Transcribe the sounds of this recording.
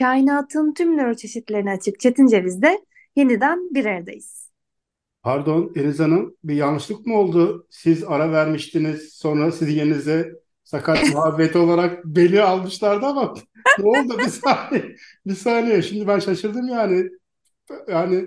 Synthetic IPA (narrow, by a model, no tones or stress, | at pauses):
cʰaːjinaːt̪ʰɯnt̪ʰymnøɾt͡ʃʰe̞ʃit̪lʲe̞ɾinɛat͡ʃʰɯk̚t͡ʃʰe̞t̪ʰind͡ʒe̞vizd̪ɛ | je̞nid̪ænbiɾæɾd̪ḛjiz̥ | pʰaɾd̪o̞nenizanɯnbijanˠɯʃlˠɯkmuo̞lˠd̪ʊsizaɾavæɾmiʃt̪iniz̥so̞nɾasizjeninizɛ | sakʰat̪muabːet̪ʰo̞lˠaɾak̚be̞nialˠmɯʃlˠaɾd̪ama | nɛolˠd̪ubisaːnɛ | bisaːnejɛʃimd̪ibænʃaʃɯɾd̪ɯmjaːnɪ | jaːnɪ